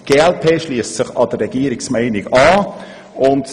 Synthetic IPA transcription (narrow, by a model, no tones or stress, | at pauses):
ɡ̥eːɛlpʰeːʃliəssɪχɑdərːɛɡ̥iːəɾɪksmæɪnɪɡɑː | ʊnd